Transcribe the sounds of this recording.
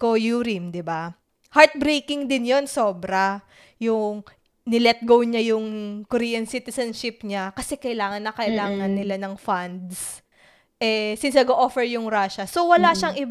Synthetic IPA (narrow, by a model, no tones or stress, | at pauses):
kojuːɾɪmd̪ɪba | haɹt̪̚bɾejkɪŋd̪ɪnjo̞nso̞ːbɾɐ | jʊŋ | nɪlɛt̪̚ɡowɲajʊŋkoɾiːjɐnsit̪ɛsɐnʃɪp̚ɲakɐsɛkɐʔɪlaːŋɐnːɐkɐʔɪlaːŋɐnːɪlanɐŋfand̪s | ʔɛsɪnsɐɡoʔofɛɹjʊŋɾaʃɐso̞wɐlaʃɐŋʔɪb